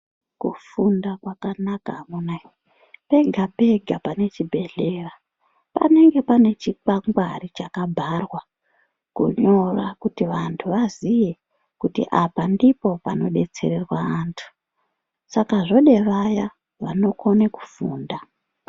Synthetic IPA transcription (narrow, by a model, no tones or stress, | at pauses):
kṵfundakwakanakaɦamunaj | pe̞ɡʱape̞ɡʱapane̞t͡ʃibʱe̞ɮe̞ra | pa̰ne̞ŋɡe̞pane̞t͡ʃikaŋɡwarit͡ʃakabʱarwa | kṵɲo̞rakutiʋantʰuʋazije | kutḭʔapandipo̞pa̰no̞ɗe̞t͡se̞̰ɾe̞rwaːntʰu̥ | sakaʐo̞ɗe̞ʋaja | ʋa̰no̞kʰo̞neku̥fuːnda